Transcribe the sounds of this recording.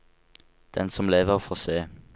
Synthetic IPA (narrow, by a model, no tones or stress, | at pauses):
d̪̥ɛnsɔmleːʋəʁfɔʁseː